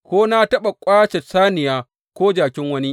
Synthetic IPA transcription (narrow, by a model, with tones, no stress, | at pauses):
kʷoː˦na˦tɐ˦ɓa˨kʷʼaː˦t͡ʃɛ˨saː˦nɪ˨jaː˦ | kʷoː˦d͡ʒaː˨kʲɪ˦ŋwɐ˦ni˦ʔ